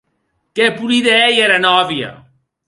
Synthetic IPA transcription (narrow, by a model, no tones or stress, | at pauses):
kɛpuɾiðɛjɛɾɐnɔβjɐ̰